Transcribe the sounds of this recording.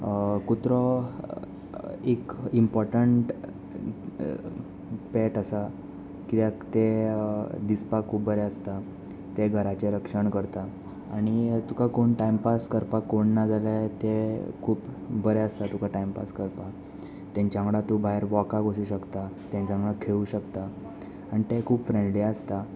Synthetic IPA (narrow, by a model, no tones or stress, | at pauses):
kut̪ɾɔ | ekimpɔɾʈəɳʈ | pɛʈəsa | kiakt̪e | d̪ispakʰuːbbəɾɛəst̪a | t̪eɡʱəɾat͡ɕeɾəkʂəɳkəɾt̪a | aɽ̃it̪ukakoɳʈajmpaskəɾpakoɳːad͡zalat̪ekʰuːpbəɾɛəst̪at̪ukaʈajmpa̰skəɾpa | t̪jãɲt͡ɕjãŋɽat̪ubʱaeɾʋɔkaɡʱoɕuːɕəkt̪at̪jãɲt͡ɕjãŋɭakʰeuɕəkt̪a | aɽ̃it̪ekʰuːpfɾẽɳɖliəst̪a